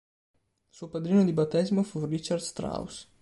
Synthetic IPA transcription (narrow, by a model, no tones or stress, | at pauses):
suopad̪ɾiːnod̪ibat̪ːɛzmofurit͡ʃard̪st̪ɾa̰ws